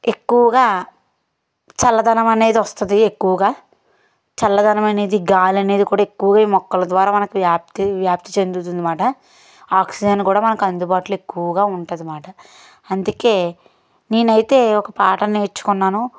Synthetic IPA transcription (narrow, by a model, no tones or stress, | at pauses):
e̞kːuʋɐɡaː | t͡ʃɐlːɐd̪ʱɐnɐmɐne̞ːd̪iʋɐst̪und̪iekːuʋɐɡaː | t͡ʃɐlːɐd̪ʱɐnɐmɐne̞ːd̪iɡaːlɐne̞ːd̪ikuːɽaːekːuʋɐɡaːiːmɔkːɐlɐd̪ʋaːɾaːmɐnɐkuʋjaːp̚t̪iʋjaːp̚t̪i̥t͡ʃe̞nd̪ut̪und̪imaːʈɐ | aːksid͡ʒɐnkuːɽaːmɐnɐkɐnd̪ubaːʈlue̞kːuʋɐɡaːuɳʈund̪imaːʈɐ | ɐnd̪uke̞ː | ne̞ːnɐjit̪e̞ːɔkɐpaːʈɐneːit͡ʃːu̥kɔnːaːnu